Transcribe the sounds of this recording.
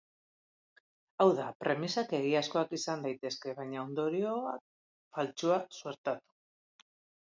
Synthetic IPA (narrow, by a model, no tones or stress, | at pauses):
awðapɾe̞misake̞ɣ̞iasko̞akisand̪ajt̪e̞ske̞βajɲao̞nd̪o̞ɾio̞a̰k̚ | falt͡ʃuasue̞ɾt̪at̪u̥